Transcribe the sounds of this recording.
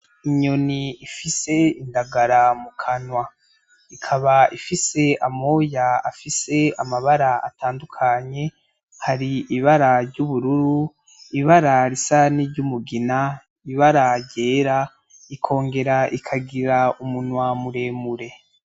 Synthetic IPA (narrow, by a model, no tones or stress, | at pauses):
iɲo̞niifise̞indaɡaɾamukʰanwa | ikʰaβaifise̞amo̞ja̰ːfise̞amaβaɾaa̰taːndukʰaɲe̞ | haɾiiβaɾaɾɟuβuɾuɾu | iβaɾaɾisaniɾɟumuɡina | iβaɾaɾɟe̞ːɾa | ikʰo̞ːŋɡe̞ɾaʔikʰaɡiɾaumunwamuɾe̞muɾe̞